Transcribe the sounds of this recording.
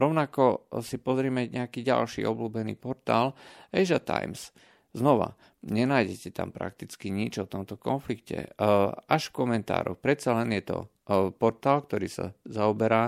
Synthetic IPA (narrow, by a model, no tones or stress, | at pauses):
ɾɔʊnakɔsipɔzɾɪɛmɛɲɛakiːɟa̰lʃḭːʔɔbluːbɛnḭːpɔɾt̪aːlɛjʒat̪a̰jms | znɔʋa̰ | ɲɛnaːjɟɛcɛt̪a̰mpɾa̰k̚t̪it͡skiɲid͡ʒɔt̪ɔmt̪ɔkɔnflikcɛ̰aʃfkɔmɛnt̪a̰ːɾɔ̰xpɾɛt̪t͡salɛnjɛt̪ɔ̰ | pɔɾt̪aːlk̚t̪ɔɾiːsa̰zaɔbɛɾaː